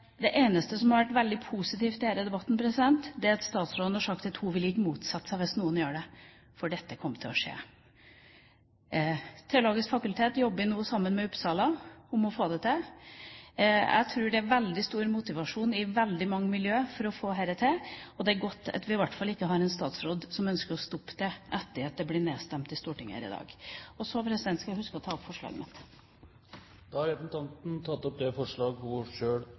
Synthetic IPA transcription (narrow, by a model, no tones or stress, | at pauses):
d̪ɛʔeːnəst̪əsɔmhɑɾʋæʈːʋɛld̪ɪpʰusɪt̪iːft̪d̪ɛheːɾəd̪ɛbɑt̪ːn̩pʰɾɛsɪd̪ɛnt̪d̪ɛɾɑt̪st̪ɑːt̪sɾoːd̪nɑʂɑkt̪ɑt̪hʊʋɪlɪkːəmuːt̪sɑt̪ːsæʋɪsnuːənjøːɖɛ | fɔɖɛt̪ːəkʰɔmːət̪ʰɪlɔʂḛː | t̪ʰɛʊloːɡɪskfɑkʉlt̪ʰeːt̪jɔbːəɪnuːəsɑmːənmɛʉpsɑːlɑʊmɔfoːd̪ɛt̪e | æ̰ɪt̪ʰɾʉːɖɛæʋɛld̪ɪst̪uːɾmʊt̪ɪʋɑʂuːnɪʋɛld̪ɪmɑŋːəmɪljøːfɔɾɔfoːɦæɾɛt̪ʰeɔd̪ɛæɾɡɔt̪ːɑ̰t̪ʋɪɪʋæʈfɑlɪkːəɦɑɾɛnst̪ɑːt̪sɾoːd̪sɔmœnskəɾɔst̪ɔpːd̪ɛʔɛt̪ːəɾɑt̪̚d̪ɛblɪneːst̪ɛmt̪ɪst̪uːʈɪŋːæ̰ɾɪ̰d̪ɑ̰ːɡɔsɔpʰɾɛsɪd̪ɛnt̪skɑlhʉskəɔt̪ʰɑːɔpfɔʂɭɑ̰ːɡmɪ̰t̪ | d̪̥ɑːhɑɾɛpn̩t̪ʰɑnt̪n̩t̪ʰɑt̪ːɔp̚d̪ɛfɔʂɭɑːɡʋʊʂøːɽ